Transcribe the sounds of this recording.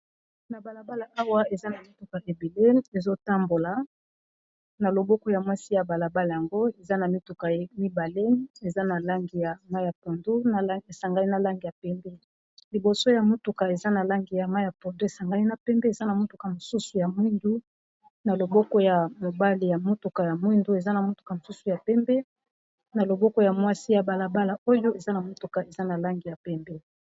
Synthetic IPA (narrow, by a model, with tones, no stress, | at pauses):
na˨ba˨la˨ba˦la˨ʔa˦wa˦e˨za˦na˨mi˦tu˨ka˨ʔe˨be˨le˦e˨zo˦ta˦mbo˨la˨ | na˨lo˨bɔ˦kɔ˦ja˨mwa˦si˦ja˨ba˨la˨ba˦la˨ja˨ŋɡo˦e˨za˦na˨mi˦tu˨ka˨mi˦ba˨le˦e˨za˦na˨la˦ŋɡi˨ja˨ma˦ja˨po˨ndu˦na˨˦e˨sa˨ŋɡa˦li˦na˨la˦ŋɡi˨ja˨pɛ˦mbɛ˦ | li˨bo˨so˦ja˨mo˦tu˨ka˨e˨za˦na˨la˦ŋɡi˨ja˨ma˦ja˨po˨ndo˦e˨sa˨ŋɡa˦li˦na˨pɛ˦mbɛ˦e˨za˦na˨mo˦tu˨ka˨mo˨su˦su˨ja˨mwi˦ndu˦ | na˨lo˨bɔ˦ko˦ja˨mo˨ba˦li˨ja˨mo˦tu˨ka˨ja˨mwi˦ndu˦e˨za˦na˨mo˦tu̥˨ka˨mo˨su˦su˨ja˨pɛ˦mbɛ˦ | na˨lo˨bɔ˦ko˦ja˨mwa˦si˦ja˨ba˨la˨ba˦la˨o˦jo˦e˨za˦na˨mo˦tu˨ka˨ʔe˨za˦na˨la˦ŋɡi˨ja˨pɛ˦mbɛ˦